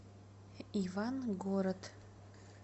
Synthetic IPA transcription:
ivanɡoɾət̪ʰ

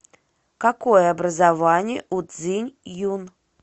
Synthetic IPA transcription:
kakojɛabɾɐzavanʲɛʔud̪zɨnʲjun

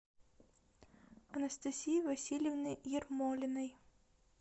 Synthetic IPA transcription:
ɐnɐst̪ɐsʲijivɐsʲilʲjɪvnɨjjɪrmɔlʲɪnɐj

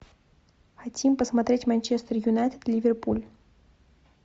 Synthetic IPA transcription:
xɐtʲimpəsmɐt̪ɾʲetʲmɐnʲt͡ɕest̪ərjʊnajt̪ə̥t̪lʲivʲerpulʲ

